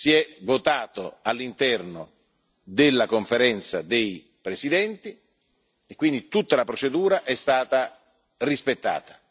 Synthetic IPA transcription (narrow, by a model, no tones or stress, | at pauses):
siɛvot̪aːt̪oalːint̪ɛrno | d̪elːakoɱfeɾɛnt̪sa̰d̪ej | pɾesid̪ɛnt̪i | ekːwind̪it̪ut̪ːalapɾot͡ʃed̪uːɾaʔɛst̪aːt̪a | rispet̪ːa̰ːt̪ḁ